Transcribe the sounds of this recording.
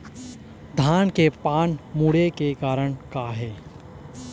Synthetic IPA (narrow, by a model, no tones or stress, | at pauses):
d̪ʱaːnkepaːnmuːɽekekaːɾəɽ̃kaɦɛː